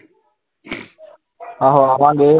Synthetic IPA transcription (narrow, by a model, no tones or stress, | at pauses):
aːɦoːəʋãːŋɡeː